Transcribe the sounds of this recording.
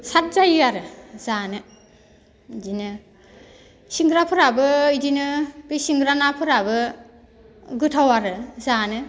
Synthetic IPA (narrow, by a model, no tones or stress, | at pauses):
sat̚zajɯaɾɯzanɯ | dinɯ | siŋɡɾapʰɯɾabɯɯdinɯbisiŋɡɾanapʰɯɾabɯ | ɡɯtʰawaɾɯzanɯ